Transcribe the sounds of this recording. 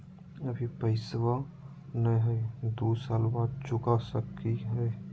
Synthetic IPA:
əbʱipəɪswa | nəjɦɛd̪uːsaːlbaːd̪̚t͡ʃʊkasəkːiɦɛː

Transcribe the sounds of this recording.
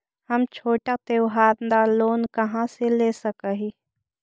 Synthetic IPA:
hɐmt͡ʃʰoːʈat̪eːwɦaːɾnd̪aloːnkɐɦãseleːsəkəɦi

